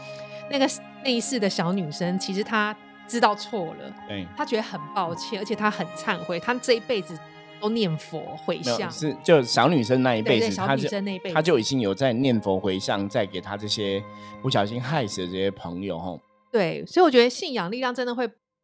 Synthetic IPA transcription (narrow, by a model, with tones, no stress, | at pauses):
na˥˩ɡə˩ | na˥˧˦sɹ̩˥˩d̪ə˩ɕɑ˧˥ʊny˨˩ʂə˥ŋt͡ɕʰi˧˥ʂ̬ɻ̩˧˥t̪ʰa˥ | ʈ͡ʂɻ̩˥t̪ɑ˥˧ʊt͡sʰwɔ˥˩lə̰˩e˥˩t̪ʰa˥t͡ɕɥɛ˧˥d̪ə˧xə˨˩npɑ˥˧ʊt͡ɕʰjɛ˥˩nə˧˥t͡ɕʰɛ˨˩t̪ʰa˥xə˨˩nt͡sʰa˥˧nxwe˧˥ɪt̪ʰa˥ʈ͡ʂɤ˥˧i˦˥pe˥˩ɪd͡zɹ̩˨˩ | t̪o˥ʊnjɛ˥˩nfɔ̰˧˥˦xwe˧˥ɪɕjɑ˥˨ŋʂɻ̩˥˨t͡ɕjo˥˩ʊɕjɑ˧˥ʊny˨˩ʂə˦nd̪ə˩na˥˧˩i˥p̪e˥˩˥ɑ˥a˥˨˥ə˥na˥˧i˥pe˥˨a˥t͡ɕjo˥˩ʊi˨˩t͡ɕi˥ŋjo˨˩ʊt͡sa˥˧ɪnjɛ˥˨nfɔ˧˦˥xwe˧ɪɕjɑ˥˨ŋt͡sa˥˩ɪke˨˩ɪt̪ʰa˦˥ʈ͡ʂɤ˥˩ɕjɛ˦pu˥˩ɕ̬jɑ˨˩ɕi˦˥nxa˥˩ɪs̩˨d̪ə˩ʈ͡ʂɤ˥˩ɕjɛ˥pʰɤ˧˦ŋjo̰˨˧ʊxɔ̰˥˧ | t̪we˥˩ɪswi˨wɔ˨˩t͡ɕɥɛ˧˦˥d̪ə˧ɕi˥˩njɑ˨˩ŋli˥˧ljɑ˥˨ŋʈ͡ʂə˥nd̪ə˨xwe˥˩ɪ